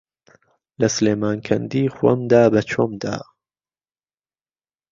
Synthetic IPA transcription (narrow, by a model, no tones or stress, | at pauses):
lɐsleːmaːnkʰɐnd̪iːxwɐ̰md̪aːbɐt͡ʃʰomd̪a̰ː